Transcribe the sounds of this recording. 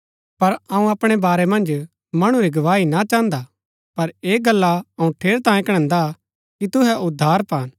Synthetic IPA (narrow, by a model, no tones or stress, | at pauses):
pɐɾɐũɐpɽ̃ebaːɾɛmɐ̃nd͡ʒ | mɐɽ̃uɾiɡɐʋaːinat͡ʃãːnd̪a | pɐɾeːɡɐlːaɐũʈʰeːɾt̪ãːjẽkɽ̃ɛ̃ːnd̪a | kit̪ʊɦɛʔʊd̪ʱːaːɾpaːn